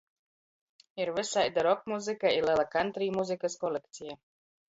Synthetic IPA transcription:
iɾvɨsajd̪aɾɔkmuzɨkailɛlˠakant̪ɾiːmuzɨkaskɔlekt̪sija

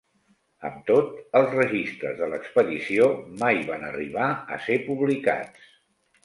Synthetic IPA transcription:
ə̰mt̪ot̪əlˠzrəʒist̪ɾə̰zðələkspəðisiomajβanərḭβ̞aə̰sepuβlika̰t͡s

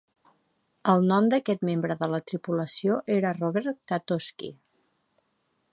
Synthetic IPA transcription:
əlˠnɔmd̪əkɛt̪membɾəðələt̪ɾipuləsioʔeɾərɔβɛɾt̪at̪oskḭ

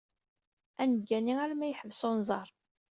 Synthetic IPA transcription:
ænəɡːæniæɾmæjħəvsonzˤɑɾˤ

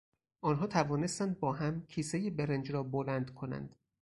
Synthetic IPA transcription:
ʔɒːnɦɒːt̪ʰævɒːne̞st̪ænd̪̚bɒːɦæmcʰiːsejebeɾend͡ʒɾɒːbolænd̪̥kʰo̞næ̰nd̪̥

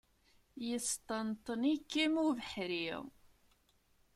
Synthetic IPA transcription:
jəst̪ˤənt̪ˤənikːimuvəħɾiʁ

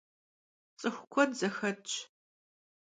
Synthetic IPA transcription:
t͡sʼɨxʷʊkʷʰɔnzɐxɐt͡ʃʰʼ

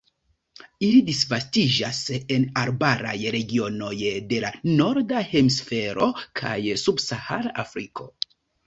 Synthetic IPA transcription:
ilidisvastid͡ʒase̞naɾbaɾa̰jɾe̞ɡio̞no̞jde̞lano̞ɾdahemsfe̞ɾo̞kʰa̰jsubsahalaʔafɾikʰo̞̰

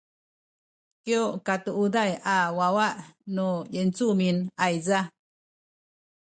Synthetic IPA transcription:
kjoʔkat̪uʔud̪ajawawaʔnujent͡suminajza

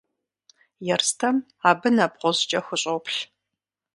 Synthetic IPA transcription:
jɛrstʰɐm | aːbɨnaːbqʷɔzt͡ʃʼɐxʷʊɕʼowpʰɬ

